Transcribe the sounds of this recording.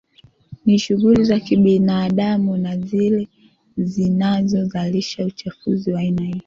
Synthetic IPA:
niʃuɣulizakiɓinaːɗamunazilɛ | zinazɔzaliʃaut͡ʃafuziwaainahiɔ

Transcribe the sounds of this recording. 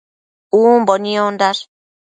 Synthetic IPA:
uːmboniond̪aɾ

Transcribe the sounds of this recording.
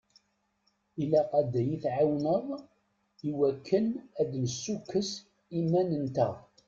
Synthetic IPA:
ilæqæd̪æjiθʕawnəʁˤ | iwækʰːənæd̪nəsːukːəs | imːænənt̪æ

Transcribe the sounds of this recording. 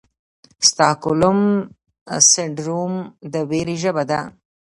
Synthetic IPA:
st̪ɑːkʊlʊm | sɪɳɖɾumd̪əweɾiʒəbad̪a̰

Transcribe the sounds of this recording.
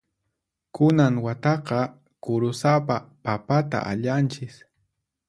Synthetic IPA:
kʊnaŋwat̪ɑqɑ | kʊɾʊsapapapat̪a̰ʔa̰ʎant͡ʃɪs

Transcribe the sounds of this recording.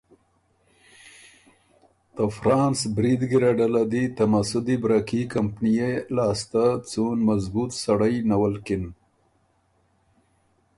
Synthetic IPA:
t̪afɾɑːnsbɾid̪ɡiɾaɖalad̪it̪amasʊd̪ibɾakikampnijelɑːst̪at͡sunmazbut̪saɽəjnawalkɪn

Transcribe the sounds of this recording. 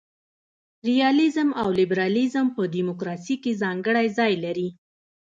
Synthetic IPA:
ɾijɑlɪzəmawlɪbɾɑlizəmpədimʊkɾɑsikezɑŋɡəɽajzɑjlaɾi

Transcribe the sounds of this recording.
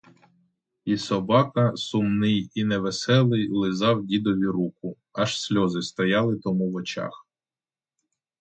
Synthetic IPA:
isɔbɑkɐsʊmnɪjinɛʋesɛlˠɪjlˠɪzɑwdʲid̪ɔʋʲiɾukʊ | ɐʃsʲlʲɔzɪst̪ɔjɑlˠɪt̪ɔmuwɔt͡ʃɑ̰x

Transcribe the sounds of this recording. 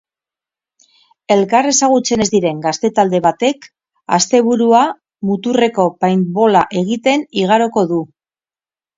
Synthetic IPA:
e̞lkare̞saɣ̞ut͡se̞ne̞zd̪iɾe̞ŋɡast̪e̞t̪ald̪e̞β̞at̪e̞k | a̰st̪e̞βuɾua | mut̪ure̞ko̞pajnbo̞laʔe̞ɣ̞it̪e̞niɣ̞aɾo̞ko̞ðu

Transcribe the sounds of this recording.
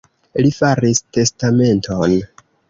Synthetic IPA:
lifaɾiste̞stame̞ntʰo̞n

